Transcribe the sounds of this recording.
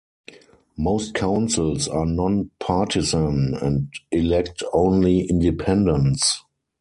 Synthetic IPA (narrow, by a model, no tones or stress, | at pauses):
moʊst̚kʰãʊ̃nsɪlsanɔ̃npʰatʰɪzə̃nɛ̃ndɪlɛktʰõʊ̃nliʔɪ̃ndipʰɛ̃ndə̃ns